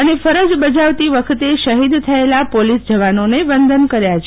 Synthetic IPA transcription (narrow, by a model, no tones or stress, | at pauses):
ənefəɾəd͡ʒbəd͡ʒaʋt̪iʋəkʰət̪eʃəɦid̪t̪ʰəelapolisd͡ʒəʋanoneʋənd̪ənkəɾjat͡ʃʰ